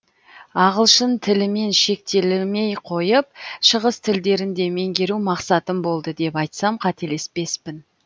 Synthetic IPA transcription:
ɑʁəlˠʃənt̪ʰɪlɪme̞nʃe̞k̚t̪e̞lɪme̞jqʰo̞jəp̚ʃəʁəst̪ʰɪld̪e̞ɾɪnd̪e̞me̞ŋɡʲe̞ɾumɑqsɑt̪əmbo̞lˠd̪əd̪e̞pɑjt̪sɑmqʰɑt̪e̞le̞spe̞spɪn

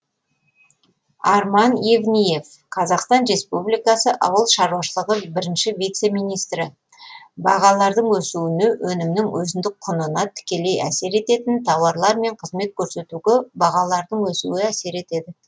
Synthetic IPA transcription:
ɑɾmɑnjevnije̞f | qʰɑzɑqst̪ɑnɾe̞spublijkɑsəʔɑ̰wəlˠʃɑɾuwɑʃəlˠəʁəbɪɾɪnʃɪvijt̪se̞mijnijst̪ɾɪ | bɑ̰ʁɑlˠɑɾd̪əɴwɵsuwɪnɪwɵnɪmnɪŋwɵzɪnd̪ɪk̚qʰʊnənɑt̪ʰʏ̥kʲe̞le̞jæ̰se̞ɾe̞t̪e̞t̪ɪnt̪ʰɑwɑɾlˠɑɾme̞ɴqʰəzme̞t̪̚kʲʰɵɾse̞t̪uɡʲebɑʁɑlˠɑɾd̪əɴwɵsuwɪæse̞ɾe̞t̪e̞d̪ɪ

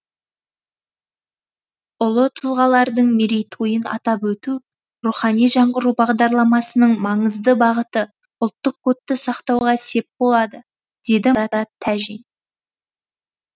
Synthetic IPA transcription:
ʊlˠət̪ʰʊlˠʁɑlˠɑɾd̪əɴmeɾejt̪ʰujənɑ̰t̪ɑpwɵt̪u | ɾuχɑnijʒɑɴʁəɾubɑʁd̪ɑɾlˠɑmɑsənəɴmɑɴəzd̪əbɑʁət̪ə | ʊlˠt̪ːəq̚kʰot̪ːəsɑqt̪ɑwʁɑse̞p̚bo̞lˠɑd̪ə | d̪̥e̞d̪ɪɑɑt̪ʰːæʒin

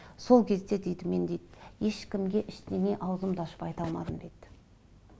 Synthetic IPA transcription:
so̞lˠkʲʰe̞zd̪e̞d̪e̞jd̪ɪme̞nd̪ejd̪je̞ʃkʲɪmɡʲe̞ʔɪʃt̪eŋʲe̞ʔɑwəzəmd̪ɑʃə̥pɑjt̪ɑlˠmɑ̰d̪ənd̪e̞jd̪̥

